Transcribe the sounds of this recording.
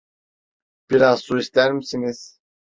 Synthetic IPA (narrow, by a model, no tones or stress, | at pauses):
b̥iɾazsuist̪æɾmisiniz̥